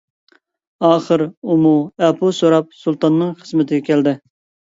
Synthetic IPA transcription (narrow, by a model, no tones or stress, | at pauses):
ɑːχəɾumuɛpʰusoɾɑp̚sulˠt̪ɑnːɨŋχəzmɪt̪ʰɪɡʲɛkʲʰɛld̪ɪ